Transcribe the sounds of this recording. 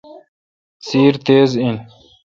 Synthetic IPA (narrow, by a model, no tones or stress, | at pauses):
siːɾt̪eːzin